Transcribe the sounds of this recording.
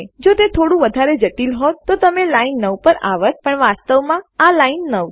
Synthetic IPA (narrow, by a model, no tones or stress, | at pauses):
d͡ʒot̪et̪ʰoɽũʋəd̪ʱaɾed͡ʒəʈilɦot̪ːot̪əmelainːəʋpəɾa̰ʋət̪̚pəɳʋast̪əʋmãalainːəʋ